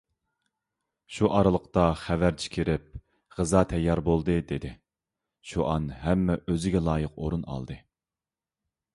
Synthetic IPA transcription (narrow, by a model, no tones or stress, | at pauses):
ʃuʔɑɾɨlˠəqt̪ɑχævæɾt͡ʃʰi̥kʲʰiɾɪp̚ | ʁəzɑt̪ʰɛjːɑɾbolˠd̪ɨd̪ed̪ɪ | ʃuʔɑnɦɛmːɛʔøzɪɡʲɛlˠɑːjəqo̰ɾunɑ̰lˠd̪ɨ